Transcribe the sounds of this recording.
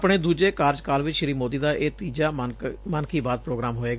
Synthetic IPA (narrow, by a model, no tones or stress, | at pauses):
pɳeːd̪uːd͡ʒeːkaːɾd͡ʒkaːlʋɪt͡ʃʃɪɾiːmoːd̪iːd̪aːʔeːt̪iːd͡ʒaːmənkʰiːbaːd̪̚pɾoːɡɾaːmɦoːeːɡa